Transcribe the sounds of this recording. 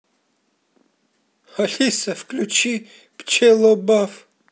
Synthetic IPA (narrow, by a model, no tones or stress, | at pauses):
haɬisɐvklʲut͡ʃʰi | pt͡ʃʰɛlɔbaf